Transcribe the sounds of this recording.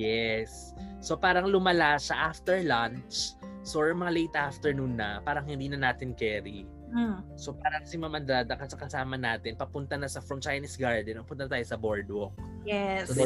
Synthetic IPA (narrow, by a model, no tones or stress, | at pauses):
jɛsː | opaːɾɐŋlʊmɐlaʃɐʔaft̪ɛɹlant͡ʃ | sojɐŋmɐŋalejt̪ʔaft̪ɛɹnuːnːɐpaːɾɐŋhɪnd̪iːnɐnaːt̪ɪnkɛɾi | so̞paːɾɐkɐsɛŋmɐmɐnd̪ad̪ɐkɐsɐkɐsaːmɐnaːt̪ɪnpɐpʊnt̪ɐnɐsɐfɹɐmt͡ʃajnisɡaɹd̪ɛnpɐpʊnt̪ɐnɐt̪aːjosɐboɹd̪o | ɛ